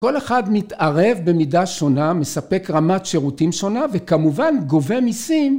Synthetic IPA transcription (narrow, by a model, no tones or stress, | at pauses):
ko̞leχadmitaʁe̞vbe̞midaʃoname̞sape̞kʁamatʃeʁutimʃo̞nave̞kamuvanɡo̞vemisim